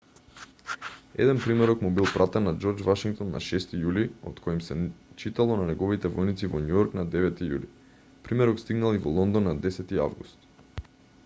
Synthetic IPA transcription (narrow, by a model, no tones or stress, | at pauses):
ɛ̰d̪ɛnpɾimɛɾɔkmubilˠpɾat̪ɛnːad͡ʒɔɾd͡ʒvaʃiŋk̚t̪ɔnːa̰ʃɛst̪ijuliɔ̰t̪kʰɔimsɛt͡ʃit̪alˠɔnanɛɡɔvit̪ɛvɔjnit̪sivɔnujɔɾknad̪ɛvɛt̪ijṵli | pɾimɛɾɔkst̪iɡnalˠivɔlˠɔnd̪ɔnːad̪ɛsɛt̪ia̰vɡust̪